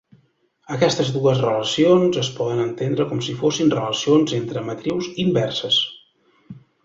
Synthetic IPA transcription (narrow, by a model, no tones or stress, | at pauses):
əkɛst̪əzðuəzrələsionzəspɔðənənt̪end̪ɾəkɔmsifosinrələsionzent̪ɾəmət̪ɾiwzimbɛrsəs